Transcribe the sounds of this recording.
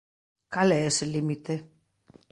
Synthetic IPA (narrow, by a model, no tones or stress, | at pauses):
kaleeselimit̪e